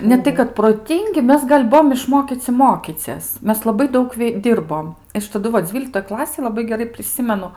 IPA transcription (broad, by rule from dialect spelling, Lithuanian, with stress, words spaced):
nʲɛˈtɐɪ kɐt proːˈtʲɪŋʲɡʲɪ ˈmʲɛs ɡɐlʲ ˈbʊʋoːm ɪʃˈmoːkʲiːt͡sʲɪ ˈmoːkʲiːt͡sʲiɛs ˈmʲɛs lˠɐˈbɐɪ ˈdɐʊk ˈdʲiːrboːm ˈɐʃ tɐˈdʊ ʋɐ ˈd͡zʲʋʲiːlʲɪktoːj ˈklˠɑːsʲeːj lˠɐˈbɐɪ ɡʲɛˈrɐɪ pʲrʲɪˈsʲɪmʲɛnʊ